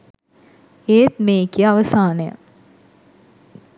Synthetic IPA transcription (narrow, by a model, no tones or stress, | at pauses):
eːt̪meːkijəaʋəsaːnəjə̰